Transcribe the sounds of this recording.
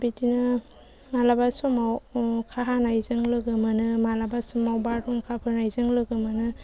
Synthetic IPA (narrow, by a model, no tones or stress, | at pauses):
bitinɯ | malabasumawkʰaɦanajzɯŋlɯɡɯmanɯmalabasɔmawbadɔŋkʰapʰɯɾnajzɯŋlɯɡɯmanɯ